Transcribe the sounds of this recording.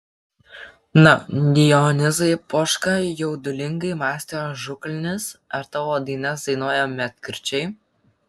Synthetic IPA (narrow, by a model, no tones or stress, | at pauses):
nɐd̪ʲɪjɔnʲɪzɐɪpoʃkɐjɛʊd̪ʊlʲɪŋɡɐɪmɑːsʲt̪ʲeoːʒʊklʲɪnʲɪsɐɾt̪ɐʋoːd̪ɐɪnʲɛsd̪ɐɪnoɔjɛmʲɛt̪ʲkʲɾʲt͡ʃʲɛɪ